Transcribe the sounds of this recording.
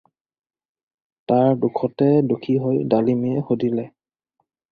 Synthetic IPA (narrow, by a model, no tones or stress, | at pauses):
taɹdukʰɔtɛdukʰiɦojdalimiɛxodilɛ